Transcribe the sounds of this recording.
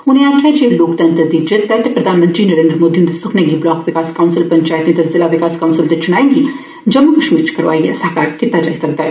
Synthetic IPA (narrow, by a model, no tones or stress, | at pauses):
ʊniãːkʰad͡ʒeloːkt̪ɐ̃nt̪əd̪id͡ʒɪt̪ːaɦt̪epɾɐd̪ʱaːnmə̃nt̪ɾinɐɾẽːnd̪ɾmoːd̪iund̪esʊkʰneɡiblɔːkʋɪkaːskaunsɪlpɐɲt͡ʃaːjt̪nẽt̪ɐzɪlaʋɪkaːskawnsɪlt̪et͡ʃʊnaːẽŋɡi | d͡ʒɐmːukɐʃmiːɾt͡ʃʰkɐɾʋa̰ːijɛ̰sɐɦkaːɾkɪt̪ːad͡ʒa̰ːisɐk̚d̪aːɦɛ